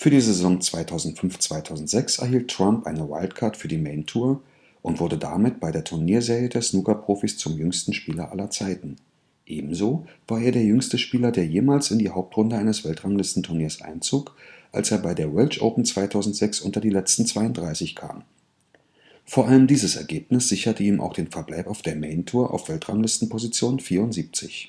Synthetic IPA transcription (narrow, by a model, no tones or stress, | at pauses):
fyːɐdiːzezɔŋt͡sv̥aɪtʰaʊzn̩tfʏnft͡sv̥aɪtʰaʊzn̩tz̥ɛksɛ̰ɐɦiːltʰːʁ̥ampʔa̰ɪnəwa̰ɪltkʰaɐtfyːɐdiːmeɪntʰuːɐ | ʔʊntv̥ʊɐdəda̰mɪt̚b̥aɪdeːɐtʰʊɐniːɐzeːʁijədeɐsnuːkɐpʁ̥oːfist͡sʊmjʏŋstn̩ʃpiːlɐʔa̰lɐt͡saɪtn̩ | ʔeːbm̩zoːv̥aːɐʔeːɐɾeːɐjʏŋstəʃpiːlɐdeːɐjeːmaːlsɪndiːhaʊp̚tʁ̥ʊndəʔaɪnəsv̥ɛltʁ̥aŋlɪstn̩tʰʊɐniːɐsʔa̰ɪnt͡suːkʔa̰lseːɐbaɪdeːɐwɛlt͡ʃʔo̰ʊpn̩t͡sv̥aɪtʰaʊzn̩tz̥ɛksʔʊntɐdiːlɛt͡stn̩t͡sv̥aɪʊntd̥ʁaɪsɪçkʰa̰ːm | foːɐʔaləmdiːzəsɛ̰ɐɡeːpnɪsz̥ɪçɐtəiːmʔa̰ʊxd̥eːnfɛɐblaɪpaʊfd̥eːɐmɛɪntʰuːɐʔa̰ʊfv̥ɛltʁ̥aŋlɪstn̩pʰozit͡sjoːnfiːɐʊntz̥iːp̚t͡sɪ̰ç